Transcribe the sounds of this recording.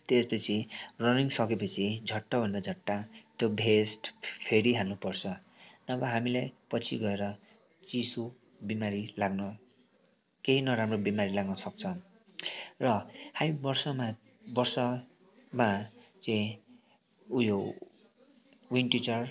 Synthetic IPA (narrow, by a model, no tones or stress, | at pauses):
t̪espʌt͡sʰirʌniŋsʌkepʌt͡sʰid͡zʱʌʈːabʱʌnd̪ad͡zʱʌʈːat̪jobʱesʈpʰeɾiɦalnupʌrt͡sʰʌ | nʌbʌɦamilajpʌt͡sʰḭɡʌeɾʌ | t͡sisu | bimaɾilaɡnʌ | keɦinʌɾamrobimaɾilaɡnʌsʌk̚t͡sʰʌ | rʌhamibʌrsʌma | bʌrsʌ | mat͡saĩ | ujo | winʈit͡sʌr